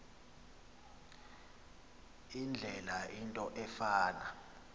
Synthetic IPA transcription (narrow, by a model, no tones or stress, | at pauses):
ind͡ɮʱɛlaintʼɔʔɛfaːna